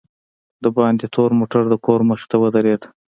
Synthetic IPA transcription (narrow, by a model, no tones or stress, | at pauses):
d̪əbɑnd̪et̪ʰoɾmoʈaɾd̪əkʰoɾməxt̪awəd̪aɾed̪